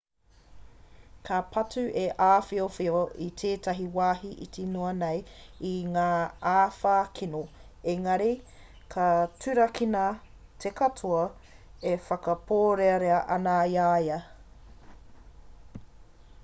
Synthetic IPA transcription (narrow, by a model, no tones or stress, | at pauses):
kʰapʰɐtʉʔeʔaːfiofioʔitʰeːtʰɐɦiwaːɦiʔḭtʰinoɐnejiŋaːaːfaːkʰino | eŋɐɾi | kʰɐtʰʉɾɐkʰina | tʰekɐtʰoɐefɐkɐpʰoːɾeɐɾeɐʔɐnajajɐ